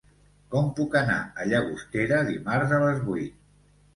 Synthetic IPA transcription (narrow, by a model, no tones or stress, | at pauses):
kɔmpukəna̰əʎəɣust̪eɾəðimaɾzələzβujt̪̚